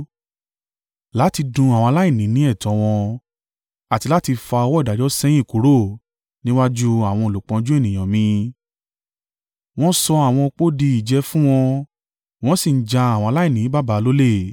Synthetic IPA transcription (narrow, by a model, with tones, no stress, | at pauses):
la˨˦ti˧dũ˧a˨wɔ̃˧la˦i˦˨nĩ˨˦nĩ˨˦ɛ˦˨tɔ̃˨˧w̃ɔ̃˧ | a˨ti˧la˦ti˧fa˧ɔ˧wɔ˦i˦˨da˨dɔ˦sɛ̃˦jĩ˦˨ko˨˦ɾo˦˨ | nĩ˦wa˦d͡ʒu˦a˨w̃ɔ̃˧o˨lu˨k͡pɔ̃˧d͡ʒu˦e˦˨nĩ˨j̃ã˨mĩ˧ | w̃ɔ̃˦sɔ˧a˨w̃ɔ̃˧o˧k͡po˦di˧i˨d͡ʒɛ˧˦fũ˦w̃ɔ̃˧ | w̃ɔ̃˦si˦˨n̩˦d͡ʒã˧a˨wɔ̃˧la˦i˦˨nĩ˨˦ba˦ba˨˧lo˦le˦˨